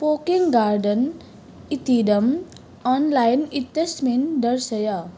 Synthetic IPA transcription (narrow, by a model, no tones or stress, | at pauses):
pokiŋɡaɾɖən | it̪idʌm | ɔnlajnit̪ːʌsmind̪ʌɾsʌjʌ